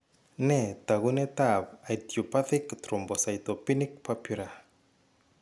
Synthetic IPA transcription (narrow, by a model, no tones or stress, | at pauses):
net̪aɣunet̪abajt̪jopaθikt̪ɾombosajt̪opinikpapiɾa